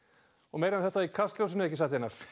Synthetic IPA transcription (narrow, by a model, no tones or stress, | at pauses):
ɔɣmejɾɪanθɛht̪ːaikʰast̪ljowsɪnʏɛhcːɪsaht̪ɪhɛnaɾ̥